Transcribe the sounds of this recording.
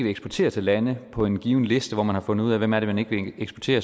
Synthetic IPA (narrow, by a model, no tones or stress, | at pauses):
ʋeeɡ̥sb̥ɒɐt͡sʰe̝̰ːɐt͡sʰe̝lːænəpʰɒ̽e̝nɡ̥iːʊn̩le̝sd̥əʋɒmænhɑ̈fɔ̽nð̩ˠuð̰ˠæʋemæɐɾemæne̝ɡ̥əʋe̝eɡ̥sb̥ɒɐt͡sʰe̝̰ːɐ